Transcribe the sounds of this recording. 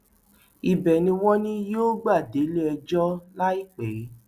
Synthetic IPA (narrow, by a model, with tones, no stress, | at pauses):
i˨bɛ˨nĩ˧wɔ̃˦nĩ˦joː˦ɡ͡ba˦˨de˨˦le˦ɛ˧d͡ʒɔ˦la˦i˦˨k͡pɛ˨˦